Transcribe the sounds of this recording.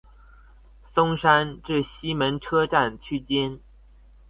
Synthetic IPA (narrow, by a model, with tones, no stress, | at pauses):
sʊ˥ŋʂa˥nʈ͡ʂɻ̩˥˩ɕi˥mə˧˥nʈ͡ʂʰɤ˥ʈ͡ʂa˥˩nt͡ɕʰy˥t͡ɕjɛ˥n